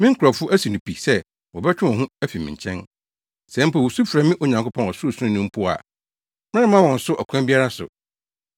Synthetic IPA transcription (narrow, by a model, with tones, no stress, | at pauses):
mɪ̃˦ŋ̩˦kʰa˨fʊ˦ʔæ˦si˨nũ˨pi˨sɛ˦ | wɔ˨bɛ˦t͡ɕᶣɪ̃˦ɔ̃˨ɦũ˦æ˦fi˨mɪ̃˨ɲ˨t͡ɕʰɛ̃˦n | sɛ̃˦m̩˦pʰa˨wo˨su˦fɾa˨mɪ̃˦ʔo˨ɲã˨ŋkʊ˦pʰɔ̃˦nɔ˨sʊ˦˨sʊ˦ʊ̃˦nũ˦m̩˦pʰʊ˦˨a̰˨ | mɪ̃˦ɪ̃˦mã˦wɔ̃˨n̩˨sʊ˦ʔɔ˨kʷʰã˦bi˦a˦ɾa˦sʊ̰˨